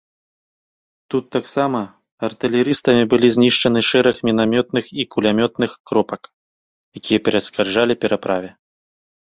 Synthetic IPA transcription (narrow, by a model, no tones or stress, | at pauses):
t̪ut̪ːaksamɐ | ɐrt̪ɨlʲɛɾɨst̪ɐmʲibɨlʲizʲnʲiʂt͡ʂɐnɨʂɛɾɐxmʲinamʲɔt̪̚nɨxikulʲamʲɔt̪nɨxkɾɔpɐk | jakʲijɐpʲɛɾɐskarʐalʲipʲɛɾapɾavʲɛ